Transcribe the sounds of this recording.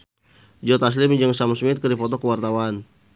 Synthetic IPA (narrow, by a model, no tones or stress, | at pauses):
d͡ʒɔt̪as̬limd͡ʒəŋsamsmit̪̚kədipɔt̪ɔkəwart̪awan